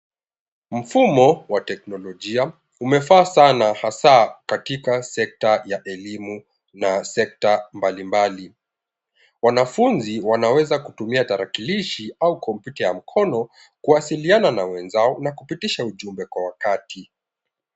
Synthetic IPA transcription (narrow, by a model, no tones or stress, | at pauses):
m̩fumɔwatɛknɔlɔʄia | umɛfaːsanahasakatikasɛk̚tajaʔɛlimu | nasɛk̚tambalimbali | wanafunziwanawɛzakutumiataɾakiliʃiaukʰɔmpjutajam̩kʰɔnɔ | kuwasiliananawɛnzaɔnakupitiʃauʄumbɛkwawakatʰi